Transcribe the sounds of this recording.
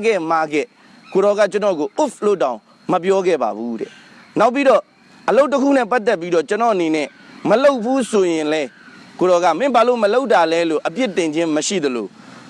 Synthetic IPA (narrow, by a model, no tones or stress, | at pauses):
ɡɛmaɡɛ̰ | koɾɔɣa̰t͡ɕənɔɡoʔuflotːãʊ̃ | məp̬jɔɡɛ̰ba̰buɾɛ̰ | naʊp̬ːiɾɔ | ʔəloʊʔt̬ːəkʰṵnɛpat̪ːɛpːiɾɔt͡ɕənɔ̰ʔənenɛ̰ | məloʊpʰːusojɪ̃lɛ | koɾɔɣa̰mɪ̃balo̰məloʊtːalɛlo̰ʔəpjɪtɪ̃ɲd͡ʑɪ̃məʃḭd̪əlo̰